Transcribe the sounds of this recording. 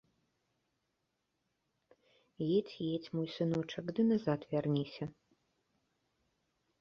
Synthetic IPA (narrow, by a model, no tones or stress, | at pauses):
jet͡sʲjet͡sʲmujsɨnɔt͡ʂɐkd̪ɨnazat̪vʲarnʲisʲɐ